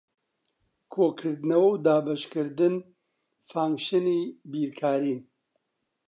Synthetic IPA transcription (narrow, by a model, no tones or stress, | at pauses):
kʰoːkʰɨɾd̪ɨnɐwawd̪aːbɐʃkɨɾd̪ɨn | faːŋɡʃɨniːbiːɾkʰaːɾiːn